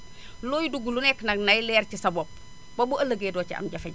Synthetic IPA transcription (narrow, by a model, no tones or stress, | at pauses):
lojduɡulunɛknɐnɐjlɛːɾcisɐbop̚ | bobuɐləɡedɔːt͡ʃiɐ̰mɟɐfe